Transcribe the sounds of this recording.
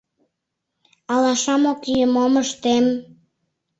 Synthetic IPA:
ɑlɑʃɑmokyjəmoməʃt̪em

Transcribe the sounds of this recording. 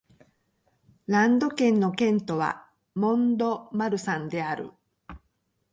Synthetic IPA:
ɾãnd̪o̞kẽ̞nːo̞kẽ̞nt̪o̞βa̰ | mõ̞nd̪o̞maɾɯ̟sãnd̪e̞aɾɯ̟̰

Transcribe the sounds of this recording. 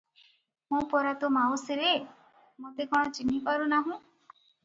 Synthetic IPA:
mũpɔɾat̪omawseɾe | mot̪ekɔɽ̃ɔt͡ʃinipaɾunaɦũ

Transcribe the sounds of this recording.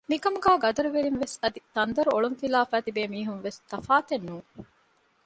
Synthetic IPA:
mikɐmuɡæːɡɐd̪ɐɾuʋeɾinʋesɐd̪it̪ɐnd̪ɐɾuoɭunfilaːfæːt̪ibeːmiːɦunʋest̪ɐfaːt̪enːuːŋ

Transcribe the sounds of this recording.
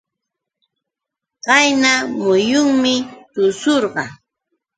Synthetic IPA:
ɢɑjnamʊjʊŋmɪt̪ʊsoɾɢɑ

